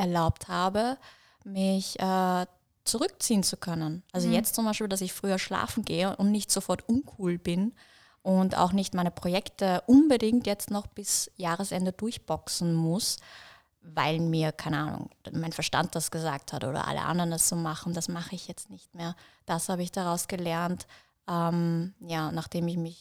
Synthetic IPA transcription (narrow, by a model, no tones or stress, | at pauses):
ʔɛɐlaʊpthaːbə | mɪçʔɛː | t͡suʁʏkt͡siːənt͡sukʰœnənʔalzojɛt͡stt͡sʊmbaɪʃpiːldas̬ɪçfʁ̥yːɐʃla̰ːfn̩ɡeːəʔʊntnɪçtz̥ofɔɐtʔʊnkʰuːlbɪn | ʔʊnta̰ʊxnɪçtmaɪnəpʁ̥ojɛktəʔʊnbədɪŋktjɛt͡stnɔχb̥ɪsjaːʁəsʔɛndədʊɐçb̥ɔksn̩mʊs | vaɪlmiːɐkʰaɪnəʔaːnʊ̰ŋmaɪnfɛɐʃta̰nt̚d̥asɡ̥əza̰ːk̚thatʔo̰ːdɐ̰ʔa̰lə̰ʔa̰ndəʁəndasz̥oːmaχn̩d̥asmaχəɪçjɛt͡stnɪçt̚meːɐd̥ashaːbəɪçd̥aʁaʊsɡ̥əlɛɐnt | ʔɛmjaːnaχd̥eːmɪçmɪç